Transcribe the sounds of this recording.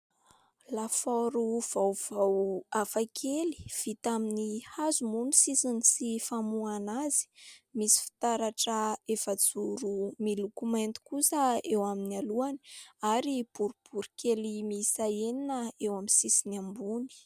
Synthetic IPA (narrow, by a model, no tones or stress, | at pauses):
lafɔɾuv̥awv̥awafakʰeli̥v̥it̪aminihazumunisisinisifamuanazi̥misi̥fi̥t̪aɾaʈ͡ʂəefəd͡zuɾumilukument̪u̥kusəewaminaluani̥aɾib̥uɾub̥uɾikʲʰelimisaeninəewaminsisinambuni̥